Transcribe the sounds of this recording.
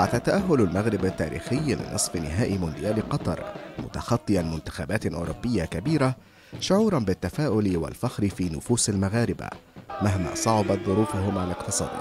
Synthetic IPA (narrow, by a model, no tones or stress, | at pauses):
ħat̪aːt̪ːaʔahːʊlalmaɣɾɪbat̪ːaːɾḭːxɪjlɪ̰nʔɨsˤfɪnɪɦaːʔimʊnd̪ɪjaːlɪqɑt̪ˤɑ̰ɾˤmʊ̰t̪ɑxɑt̪ˤːɨʔanmʊnt̪ɪ̥xaːbaːt̪ʔʊːɾʊbːɪjːakabiːɾa | ʃʊʕuːɾˤɑnbɪt̪ːafaːʔʊlɪwa̰lfaxɾɪfiːnʊfuːsalmaɣaːɾɪba̰maɦma̰ːsˤɑʕɑbɑt̪̚ðˤʊɾuːfʊɦʊmʕalalɪqt̪ɨsˤɑ̰ːd̪